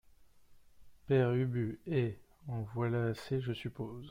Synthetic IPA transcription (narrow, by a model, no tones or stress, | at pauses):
pɛʁybyɛɑ̃vwalaːseʒəsypoːz